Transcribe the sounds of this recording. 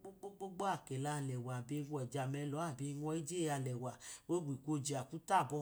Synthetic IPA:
k͡po˦ɡ͡bo˦ɡ͡bo˦ɡ͡bo˦a˦˨kɛ˨la˨˦˨lɛ˨wa˨bi˧˦wd͡ʒa˨mɛ˧˦lɔ˨˦a˦˨bi˨˧˦ŋɔ̃˧˦i˦d͡ʒe˦a˧˨lɛ˨wa˨wo˦ɡ͡bi˨kʷo˧˦d͡ʒi˨a˨kũ˨˦ta˦˨bɔ˧

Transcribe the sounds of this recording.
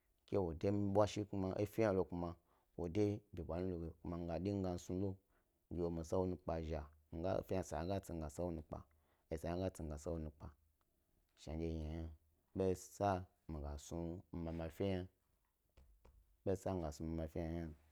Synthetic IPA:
kʲe˦wo˨de˦m˦ɓʷa˦ʃi˦ku˦ma˨ʔe˦fi˦ja˦lo˧ku˧ma˨ | wo˨de˦bʲi˨bʷa˨nu˦lo˨ɡe˨ku˦ma˨ŋ˦ɡa˨di˦ŋ̩˦ɡa˧n̩˦su˦lo˦ | d͡ʒo˨mi˨sa˦wo˦nu˧k͡pa˨ʒa˨ŋ̩˦ɡa̰˦fʲi˦a˨sa˨a˨˦ɡa˦t͡si˨ŋ˦ɡa˨sa˦wo˦nu˧k͡pa̰˨ | e˨sa˨a˦ŋ˦a˦t͡si˨ŋ̩˨ɡa˨sa˦wo˦nũ˧k͡pa˨ | ʃa̰˨˦d͡ʒe˦˨ja˨ja˦ | be˦sa˦ | mi˨ɡa˨su˧m̩˨ma˨ma˨fʲe˦ja˦ | be˦sa˦m̩˨ɡa˨su˧ma˨ma˨fʲi˦ja˨ja˦n˨

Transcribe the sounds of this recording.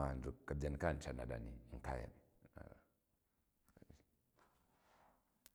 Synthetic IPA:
a˨n˨du˨ka˨bd͡ʒa˨ni˨ka˦˨n˨t͡ʃa˨na˨ɗa̰˨ni˨ŋ̩˨ka̰˦˨ja̰˨mi˨a̰

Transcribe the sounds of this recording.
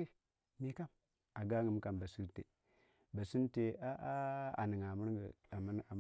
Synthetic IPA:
i˦ | mi˨ka˦m | a˨ɡa˦ŋə˨m˦ka˨mba˨si˦ɾtḛ˨ | ba˨si˦n˦te˨a˦ʔa˦a̰˨ni˨ŋa˨mə˦ɾɡə̰˨a˨m˦na˨

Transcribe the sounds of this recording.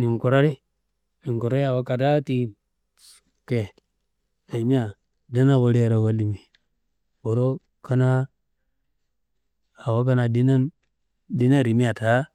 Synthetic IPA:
ni˨ŋko˨ɾa˦ɾi˦ | ni˨ŋko˨ɾa˦ɾi˦a˨wa˦ka˨da˦ti˦ | ke˨ | a˨i˨mi˦a˨ | da˦na˦wo˦ɾe˦˨ɾo˨wa˦li˨mi˨ | bo˨ɾo˦ | ka˦na˦ | a˨wa˦ka˦na˨di˦na˦n | di˦na˦˨ɾi˨mi˦a˨ta˨˦

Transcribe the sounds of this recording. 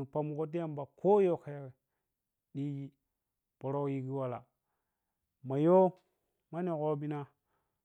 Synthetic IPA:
u˨pa˨mu˨ko˦t̬i˦ja˦˨mba˨kʰo˦jo˦˨ka˨ja˦ke˨ | ɗi˦ji˦ | b̥o˨ɾo˦ji˦ɡi˦wa˦la̰˨ | ma˨jo˦ | ma˦ni˨ɣo˦bi˦na˦

